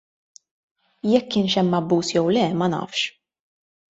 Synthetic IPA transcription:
jɛkːɪːnʃɛmːɐbːuːsjɛwlɛmɐnɐ̰ːfʃ

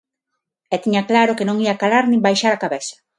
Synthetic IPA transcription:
ɛt̪iɲaklaɾokenõŋiakalaɾnĩmbajʃaɾakaβesḁ

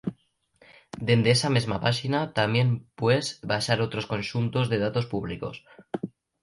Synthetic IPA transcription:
d̪end̪eesamezmapaʃinat̪amje̞mpwezβaʃaɾo̞t̪ɾo̞sko̞nʃunt̪o̞zðe̞ð̞at̪o̞spuβ̞liko̞̰s

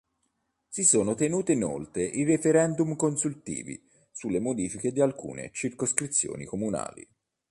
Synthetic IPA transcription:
sisoːnot̪enuːt̪eino̰lt̪ɾeʔirefeɾɛnd̪umkonsult̪ḭːvḭ | sulːemod̪iːfiked̪ialkṵːnḛt͡ʃirkoskɾit̪sːjo̰ːnḭkomuna̰ːlḭ

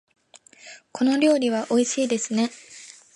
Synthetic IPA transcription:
kʰo̞no̞ɾʲo̞ːɾʲiβ̞aʔo̞iɕiːd̪e̞sɨne̞

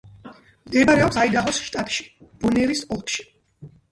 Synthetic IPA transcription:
md̪ɛbɾɛɔpsaid̪aʁɔsʃt̪ʼat̪ʼʃi̥b̥ɔnɛɾisɔlˠk̪ʰʃi̥

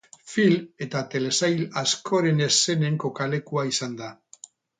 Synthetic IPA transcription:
file̞t̪at̪e̞le̞sajlaskʰo̞ɾe̞ne̞se̞ne̞ŋko̞kale̞kuaisand̪a

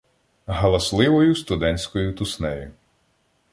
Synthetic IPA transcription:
ɦɐlˠɐslˠɪʋɔjʊst̪ʊd̪ɛnʲsʲkɔjʊt̪ʊsnɛjʊ

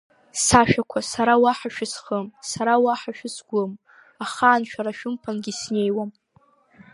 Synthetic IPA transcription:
saʃᶣakʷʰasaɾawaħaʃᶣʊsχəmsaɾawaħaʃᶣʊsɡʷʊm | aχaːnʃᶣaɾaʃᶣʊmpʰanɡʲisne̞jwam

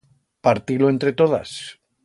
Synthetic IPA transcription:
paɾt̪iloent̪ɾe̞t̪oða̰s

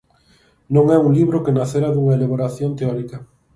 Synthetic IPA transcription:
nõŋɛuŋliβɾokenaθeɾaðuŋɐeleβoɾaθjont̪eɔɾikɐ

